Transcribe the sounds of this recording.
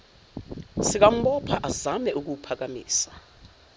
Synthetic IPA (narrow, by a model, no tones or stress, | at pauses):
sik̬am̩ɓɔpʰaʔazamɛʔuk̬upʰak̬amḭːsḁ